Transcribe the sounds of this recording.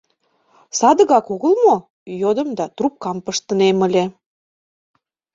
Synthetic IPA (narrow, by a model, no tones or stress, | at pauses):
sɑd̪ə̆ɣɑkoɣəlmo | jod̪ə̆md̪ɑt̪rup̚kɑmpəʃt̪ənemə̆lʲe